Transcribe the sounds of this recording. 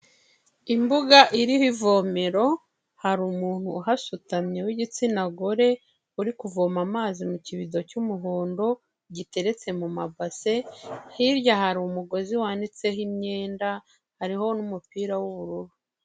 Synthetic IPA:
imbuɡaʔiɾihivo̞me̞ɾo̞ | haɾumuːn̥huɦasutamɲe̞wiɟit͡sinaɡo̞ɾe̞ | uɾikuvo̞ːmamaːzimuciβido̞cumuɦoːndo̞ | ɟite̞ɾe̞t͡se̞mumabase̞hiɾjahaɾumuɡo̞ziwaːndit͡se̞ɦimɲe̞ːnda | haɾiɦo̞numupiːɾawuβuɾuɾu

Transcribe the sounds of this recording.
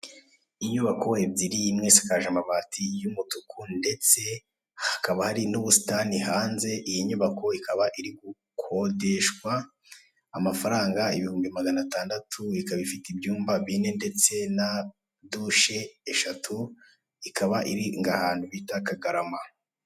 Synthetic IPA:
iɲuβako̞ebiɾijimŋesḁkaʒamaβaːtʰijumutukʰunde̞t͡se̞ | hḁkaβahaɾinuβusi̥taːnihaːnze̞ʔijiɲuβakʰo̞ikaβaʔiɾiɡu | kʰo̞de̞ʃkwaː | mafaɾaːŋɡaiβihuːmbimaɡanataːndatʰuikaβifitibjuːmbaβine̞nde̞t͡se̞na | duʃe̞ːʃatʰu | ikaβaʔiɾiŋɡahaːn̥huβitakaɡaɾama

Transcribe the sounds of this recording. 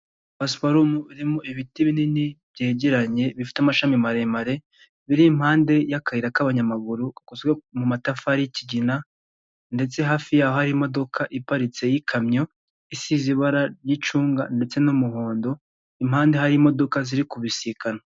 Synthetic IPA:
βaspaɾumuβiɾimoiβitiβininiβjeːɟeɾaɲe̞βifi̥tamaʃamimaɾe̞maɾe̞ | βiɾim̥haːnde̞jakaiɾakaβaɲamaɡuɾuakuzɡwemumatafaɾiciɟina | nde̞t͡se̞ɦaːfijaːhohaɾimo̞do̞kʰaʔipaɾit͡se̞jikʰamɲo̞ | isiziβaɾaɾjit͡ʃuːŋɡa̰nde̞t͡se̞numuɦoːndo̞ | im̥haːnde̞ɦaɾimo̞do̞kaziɾikuβisikana

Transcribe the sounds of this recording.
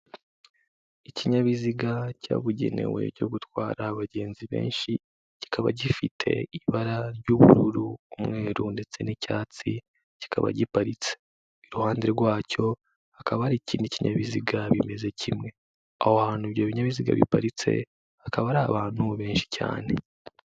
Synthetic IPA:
iciɲaβiziɡaca̰ːβuɟe̞̰ne̞̰we̞̰ɾɟo̞ɡutwaːɾaːβaɟeːnziβḛːnʃi | ci̥kʰaβa̰ɟifitʰe̞̰iβaɾaɾɟuβṵɾuɾuumŋe̞ːɾunde̞t͡se̞nicaːt͡si | ci̥kʰaβa̰ɟipaɾit͡se | iɾuhaːnde̞ɾɡwaːco̞ | hakʰaβahaɾiːciːndiciɲaβiziɡaβime̞ze̞cʰimŋe̞ | ahoahaːn̥uiβjoβiɲaβiziɡa̰βḭpaɾit͡se̞̰ | hakaβaɾaaβaːn̥huβe̞ːnʃi̥ca̰ːne̞

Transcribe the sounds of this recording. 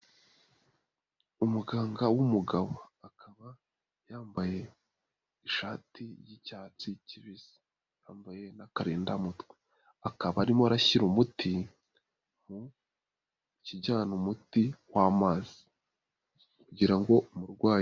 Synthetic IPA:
umuɡaːŋɡawumuɡaβoakʰaβa | jaːmbaje̞ | iʃaːtʰiɾjicaːt͡siciβiz̥i̥ | jaːmbaje̞nakaɾeːndamutkwe̥ | akaβaːɾimoaɾaçiɾumuti | mu | ciɟaːnumutiwaːmaːzi̥ | kuɟiɾaŋɡo̞muɾɡwaː

